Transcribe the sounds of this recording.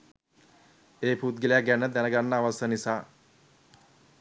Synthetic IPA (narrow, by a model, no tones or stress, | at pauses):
eːpuːt̪ɡəlejakɡænəd̪ænəɡanːəaʋasənisaː